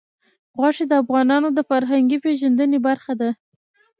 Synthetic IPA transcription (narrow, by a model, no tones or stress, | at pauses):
ɣwɑʂed̪əafɣɑnɑnod̪əfaɾɦaŋɡipeʒand̪ənebaɾxad̪a